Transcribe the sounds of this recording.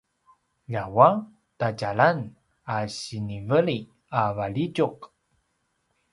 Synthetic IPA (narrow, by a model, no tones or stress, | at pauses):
ʎawa | taɟalan | aɕinivəɭi | avaɭiɟuq